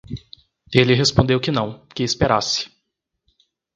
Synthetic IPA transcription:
elɪɦespõd̪ewkɪnɐ̃w̃kɪːspeɾasɪ̥

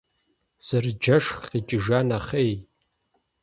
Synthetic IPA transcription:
z̥ɨrd͡ʒɐʂχit͡ʃʼɪʒanaχej

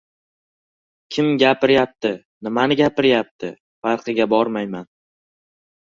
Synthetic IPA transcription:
kʲʰɪmɡʲapɪɾjap̚t̪ʰɪ | nɪmanɪɡʲapɪɾjap̚t̪ʰɪ | faɾqʰɨɡʲabɒɾmajman

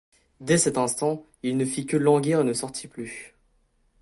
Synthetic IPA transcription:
d̪ɛsɛt̪ɛ̃st̪ɑ̃ | ilnəfikəlɑ̃ɡʲeʁenəsɔʁt̪ʰiply

